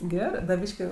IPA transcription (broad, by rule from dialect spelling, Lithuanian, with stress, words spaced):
ˈɡʲæːrɜ dɐ ˈbʲiːʃʲkʲɪ